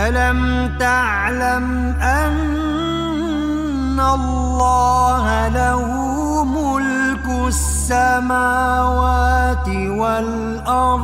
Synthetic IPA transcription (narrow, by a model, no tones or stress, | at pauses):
ʔalam | t̪a | ʕlam | ʔa | n | alːɑːɦalahuː | mʊl | kʊ | sːamaːwaːt̪ɪ | wal | ʔɑɾˤ